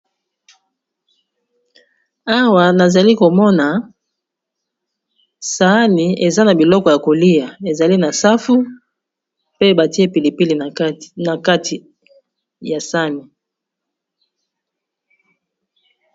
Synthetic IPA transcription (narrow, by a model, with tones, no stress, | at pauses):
a˦wa˨na˨za˨li˦ko˨mɔ˦na˨ | sa˨˦ni˨e˨za˦na˨bi˨lɔ˦kɔ˨ja˨ko˨li˦ja˨e˨za˨li˦na˨sa˦fu˦ | pe˦ba˨ti˦e˦pi˨li˨pi˦li˨na˨ka˦tʰi˨ | ja˨sa˦ni˨